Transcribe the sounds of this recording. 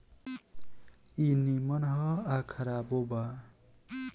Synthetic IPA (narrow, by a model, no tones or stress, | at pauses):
inimʌnɦʌakʰʌɾaboba